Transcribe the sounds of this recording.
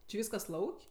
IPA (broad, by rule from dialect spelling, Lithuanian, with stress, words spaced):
t͡ʃʲɪ ˈʋʲiːskɐs ˈlˠɐʊkʲ